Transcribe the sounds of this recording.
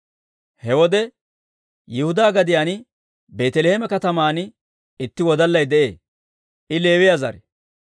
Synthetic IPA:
hɛwɔd̪ɛ | jɪhʊd̪aːɡɐd̪ɪjaːn | be̞ːt̪ɛlehemɛkɐt̪ɐmaːnɪ | ɪt̪ːɪwɔd̪ɐlːɐjd̪ɛʔḛː | ʔɪle̞ːwɪjazɐ̰ɾɛ

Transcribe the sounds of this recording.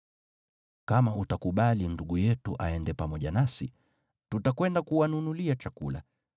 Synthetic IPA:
kamautakuɓalinduɠujɛtuʔaɛndɛpamɔʄanasḭ | tutakwɛndakuwanunuliat͡ʃakṵla̰

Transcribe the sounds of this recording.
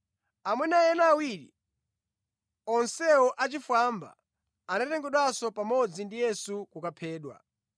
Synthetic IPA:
amwɛnajɛnaːwiɾḭ | ɔnsɛɔʔat͡ʃifwamba̰ː | natɛŋɡɛɗwasɔpamɔd͡zindijɛsukukapʰɛːɗwa̰

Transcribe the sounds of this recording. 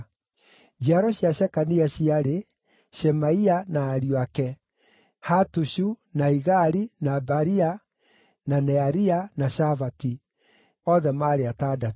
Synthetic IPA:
d͡ʒiaɾɔɕiaɕɛkaniaɕiaɾe | ʃɛmaianaːɾiwakɛ | hatuʃunaiɣaɾinabaɾia | nanɛaɾianaʃavati | ɔðɛmaːɾeatada

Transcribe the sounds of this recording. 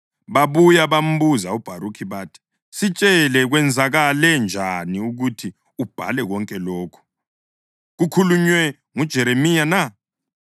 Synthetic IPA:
βaβujaβam̩βuzaub̥ʱaɾukʰiβaːtʰi̥ | sit͡ʃʼɛlɛɣwɛnd͡zʱaɣalɛnd͡ʒʱaniuɣutʰi | ub̥ʱa̰lɛɣɔŋkʼɛlɔːkʰɔ̥ | ɣukʰuluɲwɛ | ŋud̥ʒ̥ʱɛɾemijana

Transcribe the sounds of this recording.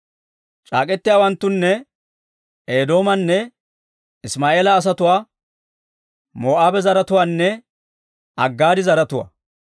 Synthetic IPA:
t͡ʃʼa̰ːkʼɛt̪ːɪjaːwɐnt̪ːʊnːɛ | eːd̪o̞ːmɐnːɛ | ɪsmaːʔe̞ːlɐːs̬ɐt̪ʊwaː | mo̞ːʔaːbɛzɐɾɐt̪ʊwaːnːɛ | ɐɡːaːd̪ɪzɐɾɐt̪ʊwa̰

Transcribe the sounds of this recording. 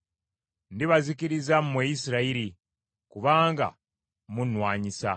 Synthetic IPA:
ndiβaziciɾizammwejisiɾaiɾi | kuβaːŋɡa̰ | munwaːɲisa̰

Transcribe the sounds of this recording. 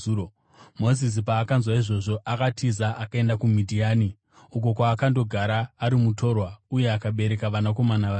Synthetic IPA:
mo̞zis̬ipaːkanzwaiʐo̞ʐo̞ʔakatʰizaʔakae̞ndakumidʱiaːni | uko̞kwaːkando̞ɡʱaɾaːɾimuto̞rwauje̞akaɓe̞ɾe̞kaʋanako̞manaʋa

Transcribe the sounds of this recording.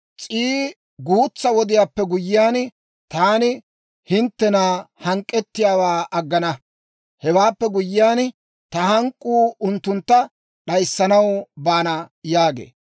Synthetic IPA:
t͡sʼiː | ɡuːt͡sːɐwɔd̪ɪjaːpːɛɡʊjːɪjaːn | t̪aːnɪ | hɪnt̪ːɛnaːhɐŋkʼːɛt̪ːɪjaːwaːʔɐɡːɐnɐ | hɛwaːpːɛɡʊjːɪjaːn | t̪ɐhɐŋkʼːuːʊnt̪ːʊnt̪ːɐ | ɗɐjsːɐnɐwbaːnɐjaːɡḛː

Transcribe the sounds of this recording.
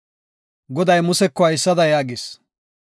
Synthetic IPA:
ɡɔd̪ɐjmʊsɛkːɔɐjsːɐd̪ɐjaːɡɪs

